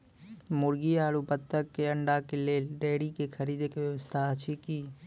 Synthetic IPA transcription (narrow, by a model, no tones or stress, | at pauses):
mʊɾɡiaːlupət̪ːəkːeəɳɖakeleːlɖeːɽikekʰəɾiːd̪ekeʋjəʋəst̪ʰaət͡ʃʰiki